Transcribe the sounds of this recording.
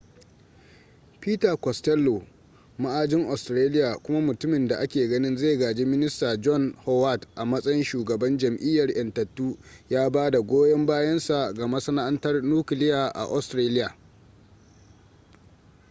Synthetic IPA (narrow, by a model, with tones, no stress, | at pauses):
piː˦tɐ˨kɔ˨stɛ˦lːo˨ | ma˦ʔaː˦d͡ʒɪ˦ŋʔa˨stɾeː˦lɪ˦jaː˨kʷʊ˦ma˦mʊ˨tʊ˦mɪ˨nda˨ʔa˦kʲeː˨ɡɐ˦nɪ˦nzeː˦˨ɡaː˨d͡ʒeː˦mɪ˦nɪ˦staː˨d͡ʒɔ˦nhɔ˦wa˦˨tʔa˨mɐ˦sʼɐ˦jɪ˦nʃuː˨ɡɐ˨bɐ˦nd͡ʒɐ˨mʔɪ˦jːɐ˨rʔɐ˨ntɐ˨tːuː˦jaː˦baː˦da˨ɡʷoː˦jɐ˦mbaː˦jɐ˦nsa˨ɡa˨ma˦sɐ˦na˦ʔa˦ntɐ˦rnuː˦kɪ˨lɪ˦jaː˨ʔa̰˨ʔɔ˦stɾaː˦lɪ˦jaː˨